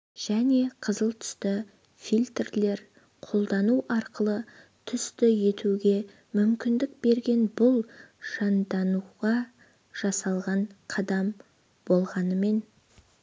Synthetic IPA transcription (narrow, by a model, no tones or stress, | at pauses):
ʒ̥æne̞qʰəzəlˠt̪ʰʏ̥st̪ɪ | fijlʲt̪rle̞ɾ | qʰo̞lˠd̪ɑnuʔɑɾqəlˠə | t̪ʰʏst̪ɪje̞t̪ʰuɡʲe̞ | mʏmkʲɪnd̪ɪk̚be̞ɾɡʲe̞nbʊlˠʒ̥ɑnd̪ɑnuʁɑ | ʒ̥ɑsɑlˠʁɑɴqʰɑd̪ɑm | bo̞lˠʁɑnəme̞n